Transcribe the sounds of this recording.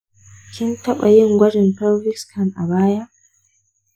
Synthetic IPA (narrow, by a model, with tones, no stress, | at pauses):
kʲɪ˦ntɐ˦ɓa˨jɪ˦ŋɡʷɐ˦d͡ʒɪ˨npɔ˦lɾɪ˦kskʰɐ˨nʔa˨baː˦ja˦ʔ